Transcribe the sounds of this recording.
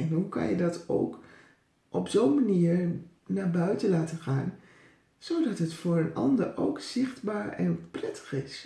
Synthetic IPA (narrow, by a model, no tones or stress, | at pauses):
ɛnɦukɑ̰njədɑto̰wk | ʔɔpzowmaniːɹ | naːɹbœɥtəlaːtəχaːn | z̥owdɑtɦətfʊːɹənɑ̰ndəɹʔowkz̥ɪχdbaːɹɛ̰nprɛtʰə̥χɪs